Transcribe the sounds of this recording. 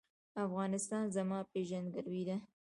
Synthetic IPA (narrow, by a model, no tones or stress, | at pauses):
afɣɑnɪst̪ɑnzamɑpeʒand̪ɡaɾwid̪a